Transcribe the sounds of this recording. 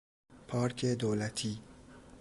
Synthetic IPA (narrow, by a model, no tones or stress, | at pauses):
pʰɑːɾkʰed̪oːlæt̪ʰiː